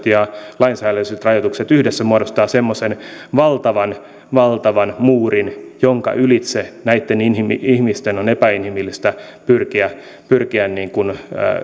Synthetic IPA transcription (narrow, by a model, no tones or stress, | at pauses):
t̪jɑlɑinsæːæløiset̪rɑjot̪ukset̪yhdesːæmuodost̪ɑːsemːosenʋɑlt̪ɑʋɑn | ʋɑlt̪ɑʋɑnmuːrinjoŋkɑ̰ʔylit̪senæit̪ːeninhimiihmist̪enonepæinhimilːist̪æpyrkiæ | pyrkiænniːŋkun̰